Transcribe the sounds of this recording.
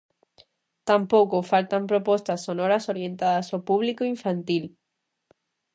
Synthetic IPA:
t̪ampokofalt̪ampɾopost̪asːonoɾasoɾjẽ̞nt̪aðasopuβlikoiɱfãnt̪il

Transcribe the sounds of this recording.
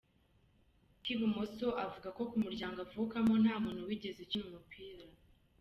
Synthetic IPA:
kiβumosoʔavuɡako̞kumuɾɟaːŋɡavukamon̥haːmuːnhuwiɟe̞zecinumupʰiːɾa

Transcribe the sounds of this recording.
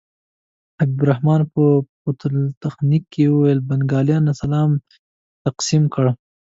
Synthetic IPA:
hab̚d̪uɾahmɑːnpəpot̪lt̪axnikːewuwejlbanɡɑːljɑnːasalɑːm | t̪aqsimkəɽ

